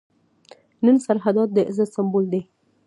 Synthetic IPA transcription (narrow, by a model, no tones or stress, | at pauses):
nənsaɾɦad̪ɑt̪̚d̪əʔɪzasambuld̪e